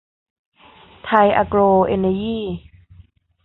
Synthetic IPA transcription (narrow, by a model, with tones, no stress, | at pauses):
t̪ʰa˧jʔa̰˧kɾoː˧ʔḛ˧na˧jiː˥˨